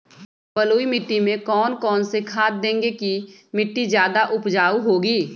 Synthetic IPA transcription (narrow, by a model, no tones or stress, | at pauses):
bəloːimɪʈːimẽkɔːnkɔːnsekʰaːt̪̚d̪ẽːŋɡeki | mɪʈːizjaːd̪aʔʊpd͡ʒaːuɦoːɡiː